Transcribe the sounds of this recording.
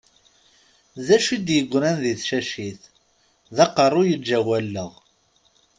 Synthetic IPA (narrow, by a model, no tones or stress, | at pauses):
zæʃid̪jəɡʷːɾænðiθʃæʃiθ | ðɑqərˤːʊjəd͡ʒæwælːəʁ